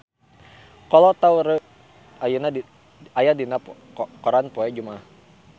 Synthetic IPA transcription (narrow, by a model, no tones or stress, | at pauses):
kɔlot̪auɾə | ajuna | ajadina | kɔɾanpɔɛd͡ʒumah